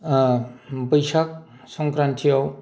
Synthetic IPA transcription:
bʌjsak̚ | sɔŋkɾantʰijɔw

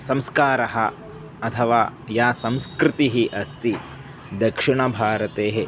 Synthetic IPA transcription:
sɐ̃mskaːɾɐɦɐ | ɐt̪ʰɐʋaːjaːsɐ̃mskɾɪt̪iɦiʔɐst̪i | d̪ɐkʂiɳɐbʱaːɾɐt̪eːɦe

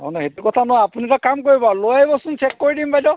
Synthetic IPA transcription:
ɦɔ̰nɔhetukɔtʰanɔjapunitakamkoɹibɔlojajbɔsunt͡ʃʰɛkːoɹidimbajdɔ

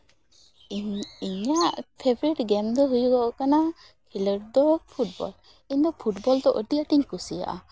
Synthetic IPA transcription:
iɲaʔpʰebɾiʈɡɛmd̪ɔɦujuɡɔʔkana | kʰiləɾd̪ɔpʰuʈ̚bɔ̰l | iɲd̪ɔpʰuʈbɔlt̪ɔʔəʈiaʈiɲkusija̰ʔa

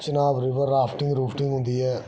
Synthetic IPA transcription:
t͡ʃənaːbɾiːbəɾɾaːpʰʈɪ̃ŋɡɾuːpʰʈɪ̃ŋɡɦʊnd̪iːɛː

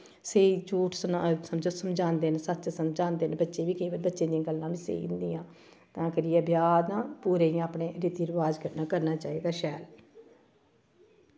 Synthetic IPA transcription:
seːit͡ʃuːʈʰsəsəmd͡ʒəsəmd͡ʒãːnd̪eːnesətːt͡ʃsəmd͡ʒãːnd̪eːnbətːʃẽːʋiːkeːʋəbətːʃẽːd̪ijãːɡəlːãːbiːsḛːiʊ̃nd̪iːãː | t̪ãːkɪɾiːabjaːd̪nãːpuːɾeːĩːaːpɳeːɾɪt̪iːɾəʋaːd͡ʒkəɾnaːkəɾnaːt͡ʃaːeːɡaːʃɛːl

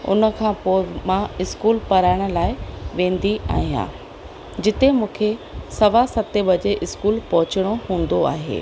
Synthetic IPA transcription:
ʊ̰nə̆kʰãːpoːmãɪskuːlpɐɾaːɪɽ̃ʊ̆laːɪʋẽːn̆d̪ia̰ːɦijã̰ː | d͡ʑɪt̪emũːkʰesɐʋasɐt̪ebɐd͡ʑeʔɪskuːlpɐɦʊt͡ɕəɽ̃oɦũːn̆d̪oa̰ːɦḛː

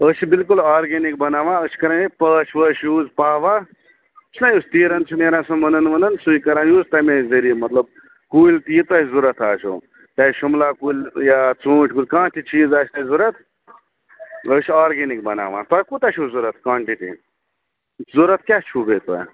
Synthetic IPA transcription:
əsibilk̬ulaːɾɡenik̚bɐnaːʋãːəsʰi̥kɐɾãipət͡ʃʰʋəʃjuːd͡zpaːʋa | t͡ʃʰnajuːst̪iːɾɐnt͡ʃʰimeːɾãsumɐnɐnmɐnɐnsujkɐɾãːjuːzt̪amẽzəɾimɐt̪ləb̚ | kuːlʲt̪iːt̪ajzuɾɐt̪ʰaːt͡ʃʰo̰ | t̪aʃumlaːkuːlʲjat͡sũːʈʰkuːlʲkãːtʰit͡ʃiːzaːsʰtazuɾət̪ʰ | əsiaːɾɡenik̚bɐna̰ːʋã̰t̪ajkut̪aʃuzuɾɐt̪̚ʰkwãːɳʈiʈḭ | zuɾət̪̚kʲat͡ʃʰubet̪a̰j

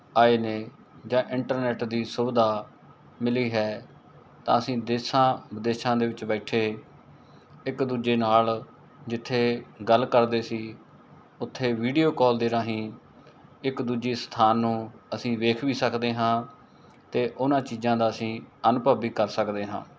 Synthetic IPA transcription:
aːeːneː | d͡ʒãːʔɪɳʈəɾnɛːʈd̪iːsʊbd̪aː | mɪliːɦɛː | t̪ã̰ːəsĩːd̪eːsãːbəd̪eːʃãːd̪eːʋɪt͡ʃbɛːʈʰeː | ɪkd̪uːd͡ʒeːnaːl | d͡ʒɪt̪ʰːeːɡəlːkəɾd̪eːsiː | ʊt̪ʰːeːʋiːɖijoːkɔːld̪eːɾaːɦĩː | ɪkd̪uːd͡ʒiːst̪ʰaːnːũːəsĩːʋeːkʰʋiːsəkd̪eːɦãː | t̪eːʔʊnãːt͡ʃiːzãːd̪aːəsĩːənʊpəbiːkəɾsəkd̪eːɦã̰ː

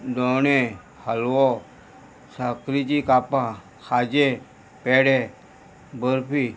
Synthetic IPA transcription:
doːneː | həlwoː | sakɾid͡ʒiːkaːpãː | xʰaːd͡ʒeː | peːɽeː | bəɾpʰiː

